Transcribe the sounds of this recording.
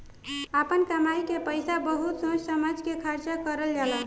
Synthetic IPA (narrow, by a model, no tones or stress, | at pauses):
apənkəmajkepəjsabəɦut̪sõd͡ʒsəməd͡ʒkekʰəɾt͡ʃakəɾəld͡ʒala